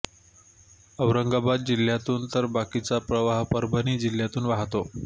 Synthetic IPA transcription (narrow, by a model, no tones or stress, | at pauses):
əʋɾəŋɡabad̪̚d͡ʑil̤jat̪uːnt̪əɾbakit͡sapɾəʋaɦpəɾbʱəniːd͡ʑiljat̪uːnʋaɦt̪o